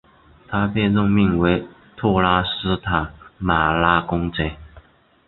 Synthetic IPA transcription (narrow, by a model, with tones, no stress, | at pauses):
t̪ʰa˥pe˥˧ɪɻʊ˥˧ŋmi˥˩ŋwe˧˥ɪ | t̪ʰɔ˥˩la˥sɹ̩˥t̪ʰa˨˩˦ma˨˩la˥kʊ˥ŋt͡se˥˦ɪ